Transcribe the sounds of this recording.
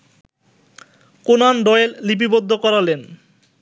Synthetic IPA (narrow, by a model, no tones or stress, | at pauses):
konanɖɔellip̬ibod̪ʱːokɔɾalen